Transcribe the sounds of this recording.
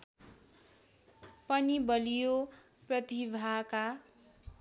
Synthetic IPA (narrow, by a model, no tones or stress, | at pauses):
pʌnibʌlijo | prʌt̪ibʱaka